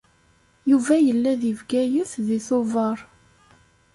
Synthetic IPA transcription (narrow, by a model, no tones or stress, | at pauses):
juvæjəlːæðivɡæjuθðiθʊvəɾˤ